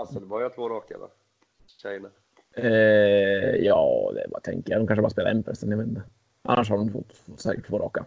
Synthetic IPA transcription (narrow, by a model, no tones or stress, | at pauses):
asəlbɔɾjat̪ʰvoːɾɑːka̰ɾa̰ | ɕɛjna | ɛ | jɑːd̪ɛ̰vat̪ʰɛ̰ŋkəjadɔmkanʂəbɑɾaspeːlaɛnːpʰɾɛsɛnjaveːt̪ɛ | ʔa̰nːaʂ̬had̪ʊmɪfɔ̰t̪ːft̪ːsɛːkəʈ̪ʰːvoːɾɑ̰ːka